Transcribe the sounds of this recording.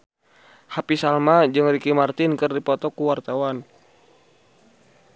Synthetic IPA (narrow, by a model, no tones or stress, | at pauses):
hapisalmad͡ʒɨŋrikimart̪ɪnkɨrdipɔt̪ɔkuwart̪awan